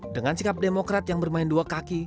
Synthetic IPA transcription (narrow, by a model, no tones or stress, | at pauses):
dəŋansikap̚demokɾat̪̚jaŋbərmaɪnduakaki